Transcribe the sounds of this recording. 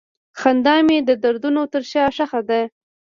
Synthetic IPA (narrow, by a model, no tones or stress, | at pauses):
xand̪ɑmed̪əd̪aɾd̪unot̪əɾʃɑʂaxad̪a